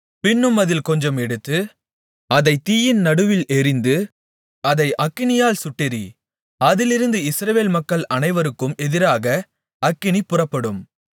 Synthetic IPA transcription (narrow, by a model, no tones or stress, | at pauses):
pɪnːɯmɐðɪlkɔɲd͡ʒɐmɛɽɯt̪ːɯ | ɐðɐɪt̪iːjɪnnɐɽɯʋɪlɛɾɪnd̪ɯ | ɐðɐɪʔɐkːɪnɪjaːlsʊʈːɪɾi | ɐðɪlɪɾɯnd̪ɯɪsɾɐʋeːlmɐkːɐɭɐnɐɪʋɐɾɯkːɯmɛðɪɾaːɣɐ | ɐkːɪɳipʊrɐpːɐɽɯm